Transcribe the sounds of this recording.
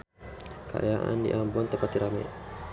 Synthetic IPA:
ka̰a̰jaʔa̰ndḭʔambɔnt̪əpat̪iɾamɛ̰

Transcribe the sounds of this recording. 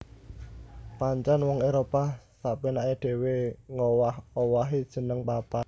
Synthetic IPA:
paɲt͡ʃanwɔŋeɾopasaʔpinaeɖ̥e̤weŋowahowaɦid̥ʒ̥ə̤nəŋpapa

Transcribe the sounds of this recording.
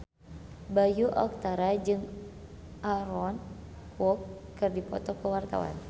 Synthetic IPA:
bajuʔɔ̰k̚t̪aɾad͡ʒɨŋ | ʔaɾɔn | kwɔkːɨrdipɔ̰t̪ɔkəwart̪a̰wa̰n

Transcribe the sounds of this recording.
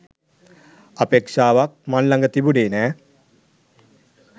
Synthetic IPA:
apeːkʂaːʋak̚manlaŋɡət̪ibuɖeːnɛː

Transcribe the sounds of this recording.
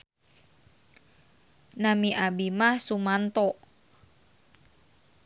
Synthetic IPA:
namiʔabimahsumant̪ɔʔ

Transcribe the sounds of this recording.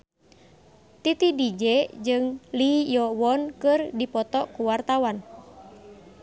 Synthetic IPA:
t̪it̪idid͡ʒɛd͡ʒɨŋlijɔwɔnkɨrdipɔt̪ɔkuwart̪awan

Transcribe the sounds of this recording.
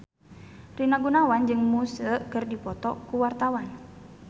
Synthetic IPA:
rinaɡunawand͡ʒɨŋmusəkərdipɔt̪ɔ̰kuwart̪awan

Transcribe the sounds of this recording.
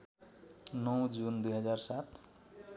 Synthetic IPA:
nʌwd͡zund̪ujɦʌd͡zarsat̪ʰ

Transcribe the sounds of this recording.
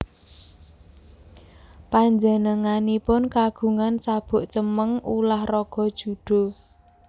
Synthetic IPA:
paɲd͡ʒənəŋanipʊnkaɡ̥ṳŋansab̥ʊ̤ʔt͡ʃəməŋulahrɔɡ̥ɔ̤d̥ʒ̥ṳɖ̥o̤

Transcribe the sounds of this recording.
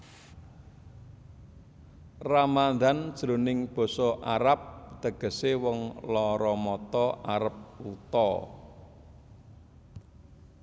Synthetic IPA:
ramand̪and̥ʒ̥ɾo̤nɪŋb̥ɔ̤sɔʔaɾap̚d̪̥əɡ̥ə̤sewɔŋlɔɾɔmɔt̪ɔʔaɾəp̚ut̪ɔ̰

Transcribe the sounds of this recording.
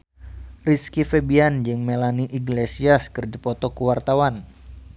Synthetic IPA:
riskifebiand͡ʒɨŋmelaniʔiɡlesiaskɨrd͡ʒapɔt̪ɔkuwart̪awan

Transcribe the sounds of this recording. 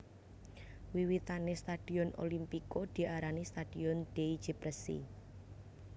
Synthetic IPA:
wiwit̪anest̪ad̥i̤ɔno̰limpikod̪̥i̤ʔaɾanist̪ad̥iɔnd̪̥eid͡ʒ̥ipɾəsḭ

